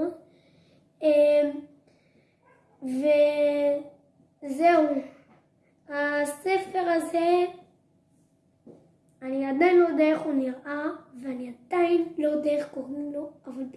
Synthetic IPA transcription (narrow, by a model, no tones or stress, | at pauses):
em | ve | ze̞u | hasefe̞ʁaze̞ | aniad̪ajinlojd̪aeχuniʁʔaveaniad̪̥ainlo̞d̪eeχkoʁimloavalb